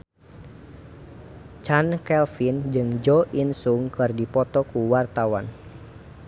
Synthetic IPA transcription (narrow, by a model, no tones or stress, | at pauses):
t͡ʃankɛlfind͡ʒɨŋd͡ʒɔʔinsuŋkɨrdipɔt̪ɔkuwart̪awan